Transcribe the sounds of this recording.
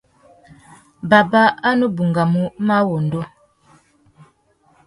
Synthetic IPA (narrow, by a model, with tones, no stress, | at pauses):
ba˨ba˦a˦nu˦bu˨ŋɡa˨mu˦ma˦wo˨n˨do˦